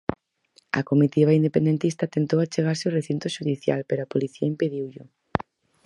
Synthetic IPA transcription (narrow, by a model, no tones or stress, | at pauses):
ɐ̰komit̪iβaind̪epend̪ent̪ist̪ɐt̪ent̪owat͡ʃeɣ̞aɾsɪʊreθint̪ʊʃuðiθja̰lpeɾoapoliθiɐimpeðiwʎʊ